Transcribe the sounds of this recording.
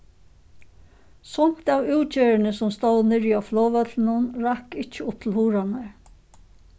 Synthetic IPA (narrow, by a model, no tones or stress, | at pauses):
sʊm̥t̪awʉːt͡ɕeːɹɪnəsʊmst̪owðnɪɹjaflɔːʋœt̪lnʊnɾakɪht͡ʃəʊp̚t̪ʰɪlhuːɾanəɹ